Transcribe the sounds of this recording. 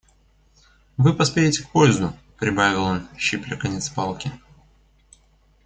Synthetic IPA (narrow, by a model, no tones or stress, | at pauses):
vɨpɐspʲeɾʲɪtʲɪk̚pojɪzd̪ʊ | pɾʲɪbavʲɪlˠonɕːiplʲɪkɐnʲɛt̪spɑlˠkʲɪ